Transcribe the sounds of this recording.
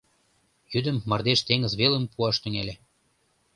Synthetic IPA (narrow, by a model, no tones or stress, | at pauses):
jyd̪əmːɤrd̪eʃt̪eŋə̆zβelə̆mpuɑʃt̪yŋelʲe